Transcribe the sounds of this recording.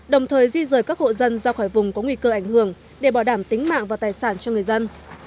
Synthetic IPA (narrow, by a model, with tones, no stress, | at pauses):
ɗə˨˩wŋ͡mt̪ʰəː˨˩jzi˧zəː˧˩jkaː˦˥k̚ho̰˧˨zə˧nzɔ˧wxɔː˧˩jvʊ˨˩ŋ͡mkɔ˨˦ŋwi˧kəː˧ʔa˧˩jŋhɨ˧˩˨əŋ | ɗe˧˩ɓaː˧˩wɗaː˧˩mt̪ï˨˦ŋ̟ma̰ː˧˨ŋvaː˨˩t̪aː˨˩jsaː˧˩nt͡ɕɔ˧ŋɨ˨˩əjzə˧n